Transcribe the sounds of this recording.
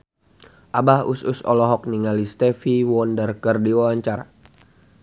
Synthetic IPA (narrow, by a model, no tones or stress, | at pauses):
ʔabahususɔ̰lɔɦɔk̚niŋalist̪ɛfiwɔndərkərdiwawaɲt͡ʃara